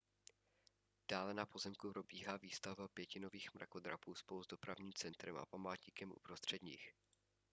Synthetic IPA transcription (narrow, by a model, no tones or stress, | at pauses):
d̥aːlɛnapo̞zɛmkupɾo̞biːɦaːviːst̪avbapjɛcɪno̞viːxmɾa̰ko̞d̪ɾa̰puːspoluzdo̞pɾavɲiːmt͡sɛnt̪ɾɛmʔa̰pamaːt̪ɲikɛmʔṵpɾost̪r̝̥ɛdɲḭːx